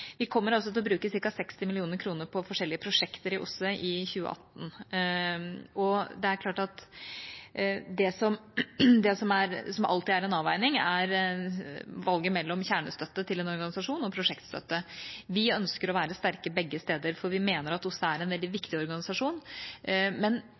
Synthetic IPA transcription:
ʋɪkʰɔmːəɾɑls̬ɔt̪ɪlɔbɾʉːkəsɪɾkɑsɛkst̪ɪmɪlɪuːnəɾkʰɾuːnəɾpʰɔfɔʂɛlːɪəpʰɾʊʂɛkt̪əɾɪʔʊ̰sːəʔɪçʉːə̰ʔɑ̰t̪ːn | ɔd̪ɛæɾklɑːʈɑt̪ | d̪ɛsɔmd̪ɛsɔmæɾsɔmʔɑ̰lt̪ɪæɾɛnɑːʋæɪnɪŋæɾ | ʋɑlɡəmɛlːɔmçæːɳə̰st̪œt̪ːət̪ʰɪlɛnɔɾɡɑnɪsɑʂuːnɔpʰɾʊʂɛkt̪st̪œ̰t̪ːəʋɪœnskəɾɔʋæːɾəst̪æɾkəbɛɡːəst̪eːd̪əɾfɔɾʋɪmeːnəɾɑt̪ʊsːəæɾɛnʋɛld̪ɪʋɪkt̪ɪɔɾɡɑnɪsɑʂuːn | mɛn

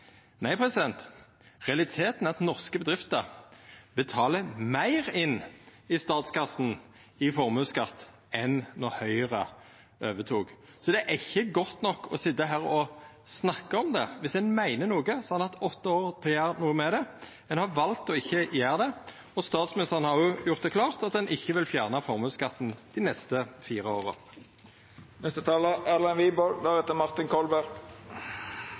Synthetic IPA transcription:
næɪpʰʁɛsɪd̪ɛnt̪ | ʁɛɑlɪt̪ʰeːt̪n̩ɑt̪nɔʁskəbəd̪ɾʁɪft̪əʁbət̪ʰɑːləmæɪʁɪnːɪst̪ɑːt̪skɑsn̩ | ɪfɔʁmʉːskɑt̪ː | ɛnːoːhœʏəʁə̰ | øːʋət̪ʰuːɡ̥ | sɔd̪ɛæʔɪçːəɡɔt̪ːnɔkːʰɔ̰sɪt̪ːəɦæːʁɔsnɑkːəɔmd̪ɛʋɪsɛnmæɪnənuːɡəsɔɑnɑt̪ɔt̪ːəoːʁt̪ʰɪljæːʁnuːəmɛd̪ɛ | ɛnhɑʋɑlt̪ɔɪçːəjæːʁd̪ɛ | ɔst̪ɑːt̪smɪnɪst̪əʁənhɑʁjʊjʊʁt̪̚d̪ɛkʰlɑːʁt̪ɑt̪̚d̪ɛnʔɪçːəʋɪlfjæːʁnəfɔʁmʉːskɑt̪n̩d̪̥ɪnɛst̪əfiːɾəoːʁə̰ | nɛst̪ət̪ʰɑːləælɛnʋiːbɔld̪æʁɛːt̪əmɑʁt̪ɪnkʰɔlbæɾɡ

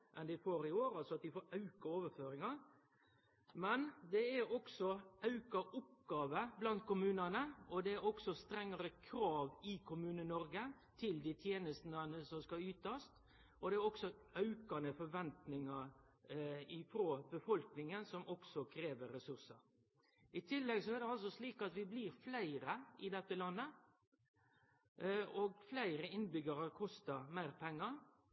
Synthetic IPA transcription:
ʔɛnd̪ɪfoːɾɪoːɾɑlsɔɑt̪̚d̪ɪfoːɾɑʉkɑoːʋəføːɾɪŋɑ | mɛnd̪ɛæɾɔksɔɑʉkɑʔʊpɡɑːʋəblɑnt̪̚kʰʊmʉːnɑnəɔd̪ɛæɾɔksɔst̪ɾɛŋːɑɾəkʰɾɑːʋɪkʰʊmʉːnənɔɾɡə | t̪ʰɪld̪ɪt̪ʰjeːnəst̪nənəsɔmskɑʉːt̪ɑst̪ | ʔɔd̪ɛæɾɔksɔʔɑʉkɑnəfɔɾʋɛnt̪nɪŋɑɾ | ɪfɾoːbəfɔlknɪŋənsɔmɔksɔkʰɾeːʋəɾːɛsʉɾsəɾ | ɪt̪ʰɪlːɛɡsɔæɾd̪ɛɑls̬ɔsliːkɑt̪ʋɪbliːɾflæɪɾəɪd̪ɛt̪ːəlɑnːə | oɡflæɪɾəɪnbʏɡɑɾəkʰɔst̪əɾmæɪɾpʰɛŋːɑ

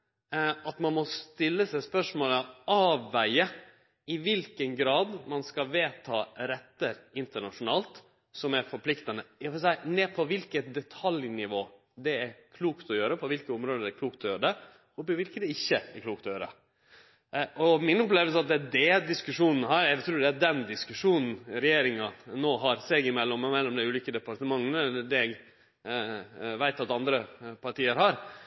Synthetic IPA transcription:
ɑt̪mɑnmɔst̪ɪlːəsæɪspœʂmoːləɑːʋːæɪə | ɪʋɪlkənɡɾɑːd̪mɑnskɑʋeːt̪ʰɑːɾɛt̪ːəɾɪnt̪əɳɑʂʊnɑːlt̪ | sɔmæɾfɔɾpʰlɪkt̪ɑnəɑʋɛsæɪnɛːpʰɔʋɪlkət̪̚d̪ɛt̪ʰɑljnɪʋoː | d̪ɛæɾkʰluːkt̪ɔjøːɾəpʰɔʋɪlkəʊmɾoːd̪əd̪ɛkʰluːk̚t̪ʰɔjøːɾəɖ̪ɛ | ɔpɔʋɪlkəd̪ɛɪçːəækʰluːkt̪ɔjøːɾə̰ | ɔmɪnɔpleːʋəls̬əɑt̪̚d̪ɛæd̪ɛd̪ɪskʉʂuːnn̩ɦɑɾɛɪt̪ʰɾuːɖ̪ɛæɖɛnd̪ɪskʉʂuːnn̩ɾɛjeːɾɪŋɑnoːɦɑɾseːɡɪmɛlːɔmmɛlːɔmd̪æɪʉːliːkəd̪ɛpɑɾʈ̪əmɑŋːnəd̪ɛɛɡ | ʋæɪt̪ɑt̪ɑnd̪ɾəpʰɑʈiːəɾɦɑɾ

